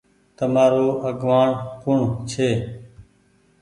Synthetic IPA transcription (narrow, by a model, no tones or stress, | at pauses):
t̪əmaːɾoːəɡʋaːɳkʊɳt͡ʃʰeː